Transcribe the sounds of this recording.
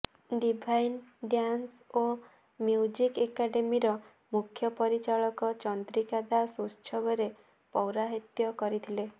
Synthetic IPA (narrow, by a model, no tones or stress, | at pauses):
ɖibʱajnɖjanso | mjud͡ʒikekaɖemiɾɔ | mukʰjɔpɔɾit͡ʃaɭɔkɔt͡ʃɔnd̪ɾikad̪asust͡ʃʰɔbɔɾe | pɔwɾaɦit̪jɔkɔɾit̪ʰile